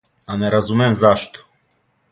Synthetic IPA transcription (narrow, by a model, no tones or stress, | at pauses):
anɛɾazumʲɛmzaʃt̪ɔ̥